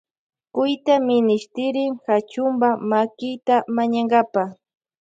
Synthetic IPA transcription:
kʊjt̪amɪnɪʃt̪ɪɾɪŋxat͡ʃʊmbamakɪjt̪amaɲaŋɡapa

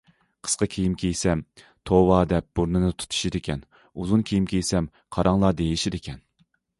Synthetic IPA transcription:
qʰə̥sqɑkʲʰejimkʲʰejsɛm | t̪ʰowɑːd̪ɛp̚b̥uɾnɨnɨt̪ʰu̥t̪ʰu̥ʃid̪ɪkʲʰɛn | uzunkʲʰijimkʲʰejsɛm | qʰɑɾɑŋlˠɑːd̪ejiʃid̪ɪkʲʰɛn

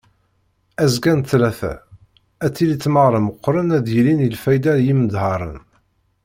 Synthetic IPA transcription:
æzɡænθlæθæ̰ | æt͡sːilit͡sːməʁɾˤəməqːɾˤənæðjlinilfæjd̪æɾjiməd̪hɑɾˤə̰n

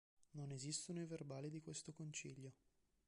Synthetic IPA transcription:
nonezist̪onoiverbaːlid̪ikwest̪okont͡ʃiʎːo

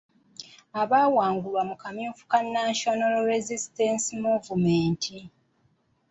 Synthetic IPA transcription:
aβaːwaːŋɡulwamukamjuːfu̥kanːaʃonalɾezistensimuvumeːntʰi

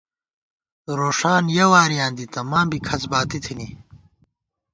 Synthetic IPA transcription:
ɾoːʂaːnjɐwaːɾijãːnd̪it̪ɐmãːmbikʰɐsbaːt̪it̪ʰini

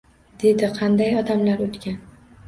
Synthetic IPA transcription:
d̪̥e̞d̪ɪqʰɑnd̪ajɒd̪amlaɾot̪kʲan

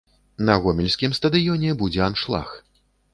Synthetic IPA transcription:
nɐɣɔmʲɛlʲsʲkʲimst̪ɐd̪ɨjɔnʲɛbud͡zʲɛanʂlˠa̰x

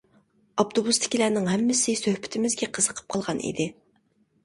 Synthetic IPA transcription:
ɑpt̪ʰobust̪ʰɪ̥kʲilænɪŋɦɛmːɪsɪsøhpʰɪ̥t̪ʰɪmɪzɡʲɛqʰəzəqʰə̥p̚qʰɑlˠʁɑnʔḭd̪ɪ

